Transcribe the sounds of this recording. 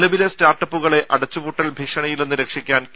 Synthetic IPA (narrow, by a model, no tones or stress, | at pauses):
lɐʋilestaːrʈːɐpːuɣɐɭe̞ʔɐɽɐt͡ɕːupuʈːɐlbʱikʂɐɳɐjilenːuɾekʂikʲːaːnk